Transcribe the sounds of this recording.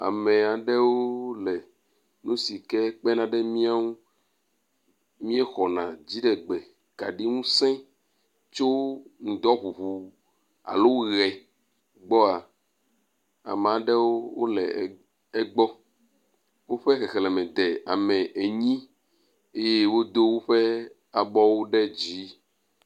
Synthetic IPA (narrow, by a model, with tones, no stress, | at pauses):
a̰˨me˨a˨ɖɛ˦wo˦lɛ˨ | nũ˦si˨kɛ˦k͡pɛ˦nã˨ɖɛ˦mĩ˦a˦ŋũ˦ | mĩ˦e˦xɔ˨nã˨d͡ʑi˦ɖɛ˨ɡ͡bɛ˨ | ka˨ɖi˦ŋũ˦sɛ̃˦ | t͡ʃo˦ŋũ˨d̪ɔ˦ɦu˨ɦu˨ | a̰˨lo˦ɣɛ˨ | ɡ͡bɔ˦a˨ | a̰˨mã˨ɖɛ˦wo˦wo̰˦lɛ̰˨ | ɛ˦ɡ͡bɔ˦ | wo˦ɸe˦xɛ˨xɛ˨lɛ˨mɛ̃˨d̪e˨a̰˨mɛ̃˨ʔe˨ɲĩ˦ | e˦je˦wo˦d̪o˦wo˦ɸe˦ | a˨bɔ˦wo˦ɖɛ˦d͡ʑi˨˦